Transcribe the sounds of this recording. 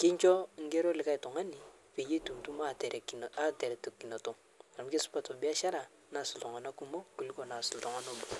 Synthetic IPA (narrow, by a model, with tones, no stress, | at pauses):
ke˦nt͡ʃo˦ŋ˦ɡe˦ɾo˦li˨ka˦i˨to˨ŋa˦ni˨ | pe˨je˦tu˨mtu˦ma˦te˨ɾe˨ki˨a˦te˨ɾe˨tu˨kːi˨na˨to˦ŋ | a˨ɾmke˦su̥˦pa˨to˨bi˦a˦ʃa˦ɾa˨ | na˨su˨to˨ŋa˨na˦ku˦mo˦ku˨li˦ko˦˨na˨su˨lto˨ŋa˨no˦bo˨